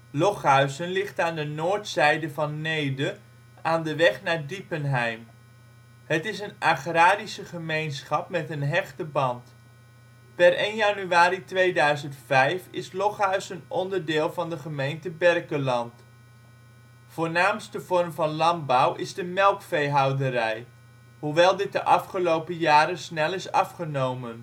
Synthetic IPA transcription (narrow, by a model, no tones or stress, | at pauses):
lɔχɦœɥsənlɪχtaːndənoːɹtsɛjdəvɑnːejdə | aːndəʋɛχnaːɹdipənɦɛjm | ɦətɪs̬ənaχraːdisəχəmejnsχɑpmɛtənɦɛχtəbɑnt | pɛrejnjanyaːɾitʋejdœɥzəntfɛjfɪslɔχœɥsənɔndəɹdɪːlˠvɑndəχəmejntəbɛrkəlɑnt | v̥ʊːɹnaːmstəvɔrmvɑnlɑnbawɪzdəmɛlˠkfejɦɑwdəɾɛj | huʋɛlˠdɪt̚dəʔɑfχəlowpəjaːɾəsnɛlɪsɑ̰fχənowmən